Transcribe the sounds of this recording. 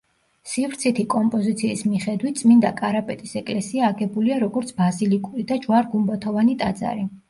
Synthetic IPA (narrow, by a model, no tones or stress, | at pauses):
sivɾt̪sʰit̪ʰikʼɔmpʼɔzit̪sʰiːsmiχɛd̪wit̪̚ʰt̪sʼmind̪akʼaɾapʼɛt̪ʼisɛkʼlɛsiaːɡɛbuliaɾɔɡɔɾt̪sʰbazilikʼuɾid̪ad͡ʒwaɾɡumbat̪ʰɔvanit̪ʼad̪za̰ɾi